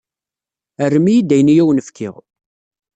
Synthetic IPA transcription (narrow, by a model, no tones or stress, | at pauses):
ərːmijid̪æjnijæwənəfkʰɪ̰ʁ